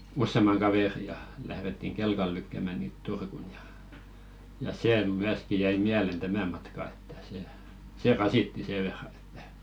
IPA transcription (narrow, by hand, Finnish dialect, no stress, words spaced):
usːemɑŋ kɑʋeˑri jɑ læhretːiŋ kelkɑl lykːæˑmæˑ niːt turkun jɑ jɑ seː myæski jæi miælen tæmæ mɑtkɑ etːæ̥ se se rɑsitːi seˑ ʋerːɑn e̥tːæ̥